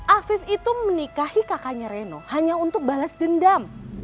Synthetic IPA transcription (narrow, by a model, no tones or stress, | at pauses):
ʔafɪfit̪umənikahikakaɲaɾenohaɲaunt̪ʊk̚balasdəndam